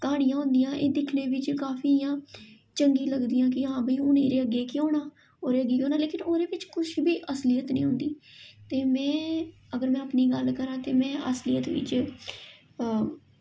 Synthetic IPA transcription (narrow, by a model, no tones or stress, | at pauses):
kaːɽ̃ijãːɦʊ̃nd̪ijãːʔeːd̪ɪkʰneːʋɪt͡ʃkaːfʰiːɪjãː | t͡ʃəŋɡiːləɡd̪ijãːk̬ɪɦãːbəiːʊneːɾeːəɡːeːkɪoːnaː | oːɾeːəɡeːkjõːnaːleːkɪnoːɾeːʋɪt͡ʃkʊʃbiːʔəslijət̪nḭ̃ːɦʊ̃nd̪iːt̪eːmɛ̃ːəɡəɾmɛ̃ːəpniːɡəlkəɾãːt̪eːmɛ̃ːəslijət̪ʋɪ̰t͡ʃ